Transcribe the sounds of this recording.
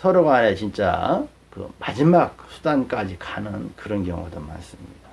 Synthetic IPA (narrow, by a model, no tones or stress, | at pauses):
sʰʌɾoɡanet͡ɕint͡ɕ͈a̰ | kɯ̰mad͡ʑimak̚sʰu̥dank͈ad͡ʑikanɯnkɯɾʌnkjʌŋṵdoma̰ns͈ɯmɲid̥a